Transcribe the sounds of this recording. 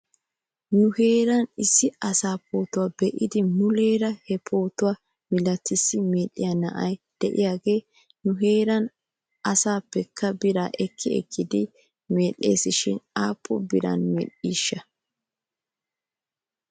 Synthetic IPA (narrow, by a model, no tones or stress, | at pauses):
nʊhe̞ːɾɐnɪsːɪɐsaːpo̞ːt̪ʊwaːbɛʔɪd̪ɪmʊle̞ːɾɐhɛpʰo̞ːt̪ʊwaː | mɪlɐt̪ːɪsːɪme̞ːlːɪjɐnɐ̰ʔɐjd̪̥ɛʔɪjaːɡe̞ː | nʊɦe̞ːɾɐn | ɐsaːpːɛkʰːɐbɪɾaːʔɛkʰːɪɛ̰kʰːɪd̪ɪ | me̞ːlːeːsɪʃɪ̰naːpʰːɔbɪɾɐ̰nmɛ̰ɗiːʃːɐ